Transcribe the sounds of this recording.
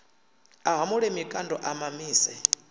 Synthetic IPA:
aɦamuɺɛmikʼandɔʔamamiːsɛ

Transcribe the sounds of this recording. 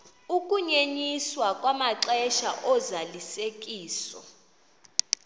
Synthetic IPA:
ukʼuɲeɲiswakʼwamaǀɛʃa̰ʔɔzalisekʼiːsɔ̰

